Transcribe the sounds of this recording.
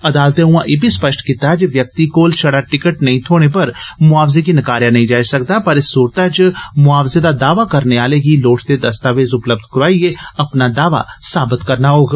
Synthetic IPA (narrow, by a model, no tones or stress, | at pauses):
əd̪aːlt̪ẽʊ̃ãːʔeːbʱiːspəʃʈkit̪ad͡ʒeʋjək̚t̪iːkoːlt͡ʃʰəɽaːʈɪkəʈnəĩːt̪ʰoːɽ̃eːpəɾmʊaːʋzeːk̬iːnəkaːɾjãːnəĩd͡ʒaːisəkd̪aːpəɾɪsːuːɾt̪aːt͡ʃmʊaːʋzeːd̪aːd̪aːʋaːkəɾneːaːleːɡiːloːʈʰd̪eːd̪əst̪aːʋeːzʊpləb̚d̪ʱkɾaːieːəpnaːd̪aːʋa̰ːsaːbɪt̪kəɾnaːɦoːɡ